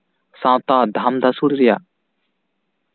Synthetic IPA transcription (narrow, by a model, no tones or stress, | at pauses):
sãwt̪aːd̪ʱamd̪ʱasuɽɾija